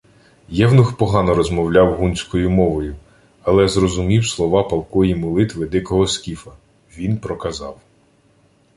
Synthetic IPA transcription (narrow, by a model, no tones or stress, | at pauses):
jɛwnʊxpɔɦɑnɔɾɔzmɔwlʲɑwɦunʲsʲkɔjʊmɔʋɔjʊ | ɐlˠɛzrɔzʊmʲiwslˠɔʋɑpɐlˠkɔjimʊlˠɪt̪ʋɪd̪ɪkɔɦɔskʲifɐ | ʋʲinpɾɔkɐzɑw